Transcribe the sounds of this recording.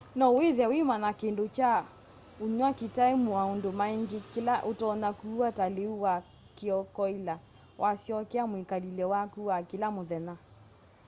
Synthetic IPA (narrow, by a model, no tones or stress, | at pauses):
nɔweðɛwemanakendot͡ʃa | oɲwakitaemuwaondomaeŋɡekelaʔotɔnakuataleuwa | keɔkɔila | wʔasjɔkɛamwikalilɛwakuwakelamoðɛna